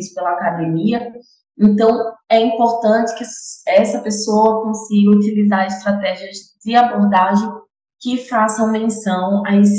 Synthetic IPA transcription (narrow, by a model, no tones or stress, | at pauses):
spelɐakad̪ẽmiɐ | ẽnt̪ɐ̃w̃ɛĩpoɾt̪ɐ̃t͡ʃɪ̥kɪɛsɐpesowɐkõsiɡɐut̪ilizaɾɪʃt̪ɾat̪ɛʒiɐzd͡ʒɪaboɾd̪aʒẽj̃ | kɪfasɐ̃w̃mẽsɐ̃w̃aĩs